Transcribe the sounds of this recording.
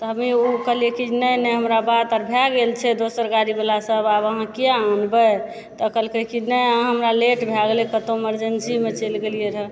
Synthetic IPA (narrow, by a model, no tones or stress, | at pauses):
t̪ɔɦəmiukəɦlijekinəjnɛɦəmɾabat̪aɾbʱjaɡelt͡ʃʰɛd̪osəɾɡaɾibelasəbabəɦãkiaanbə | t̪əkəlkəɦkinɛɦəmɾaleʈbʱjaɡlɛkət̪oeməɾd͡ʒensimet͡ʃelɡelijeɾə